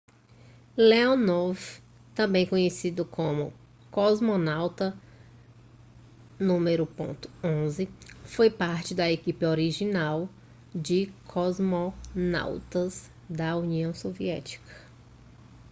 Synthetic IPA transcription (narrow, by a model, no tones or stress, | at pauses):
leonɔv | t̪ɐ̃mbẽj̃kõɲesid̪ʊkʰõmʊ | kɔzmonawt̪ɐ | nũmeɾʊpõ̰nt̪ʊ̥õzɪfojpaɾt͡ʃɪd̪ɐekipɪoɾiʒinaw | d͡ʒɪkʰɔzmona̰wt̪ɐz | d̪ɐuniɐ̃w̃soviɛ̰t͡ʃi̥kʰɐ̥